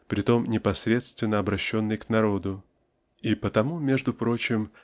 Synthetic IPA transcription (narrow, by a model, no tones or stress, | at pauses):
pɾʲɪt̪o̞mnʲɪpɐsɾʲe̞t̪st̪vʲɪnːəɐbɾɐɕːo̞nːɨjknɐɾo̞d̪ʊ | ipət̪ɐmumʲe̞ʐd̪ʊpɾo̞t͡ɕɪm